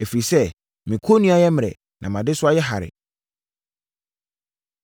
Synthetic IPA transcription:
e˨fi˨ɾi˨sɛ˦ | mĩ˨kʰo˦nũ˦a˨jɛ˦m˨ɾɛ̰˨ | nʔã˨mã˨dɪ˦sʊ˦a˦jɛ˦ɦa̰˨ɾɪ̰˨

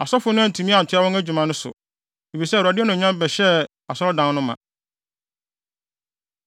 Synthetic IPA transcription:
a˨sɔ˦fʊ˨˦nʊ̃˦æ˦˨tʰũ˨mĩ˦ã˨n̩˨tʰʊ˦a˦wɔ̃˦æ˦d͡ʑᶣu˨mã˨˦nʊ̃˦sʊ̰˨ | e˨fi˨sɛ˦˨ɾa˨dɪ˦nʊ̃˨ɲã˦bɛ˨ɕɛ˦ | a˨sɔ˦ɾɔ˦dã˨˦n˦nʊ̃˦mːã̰˨

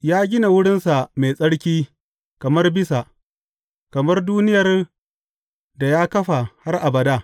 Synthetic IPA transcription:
jaː˦ɡʲɪ˦na˨wʊ˦ɽɪ˦nsa˨me˨sʼɐ˦ɽkʲiː˦ | kɐ˨mɐ˦rbɪ˦sa˨ʔ | kɐ˨mɐ˦rduː˦nɪ˦jɐ˨r | da˨jaː˦kɐ˦ɸa˨ha˦rʔa˨bɐ˨daː˦˨

